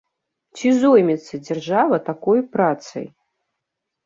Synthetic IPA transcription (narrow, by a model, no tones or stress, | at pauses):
t͡sʲizɔjmʲɛt̪sːɐd͡zʲarʐavɐt̪akɔjpɾat̪sɐ̰j